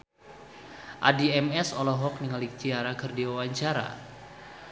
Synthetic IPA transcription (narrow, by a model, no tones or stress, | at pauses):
ʔadiɛmɛsɔlɔɦɔk̚niŋalik̚t͡ʃiaɾakɨrdiwawaɲt͡ʃaɾa̰